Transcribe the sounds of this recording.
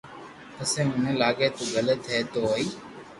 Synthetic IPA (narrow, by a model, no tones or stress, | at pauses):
əsẽːʊnẽːlaːɠeːt̪oːɡʱəleːt̪ʰeːt̪oːoːiː